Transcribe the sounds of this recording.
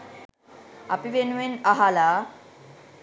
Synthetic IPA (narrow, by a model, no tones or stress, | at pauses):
apiʋenuʋenaɦala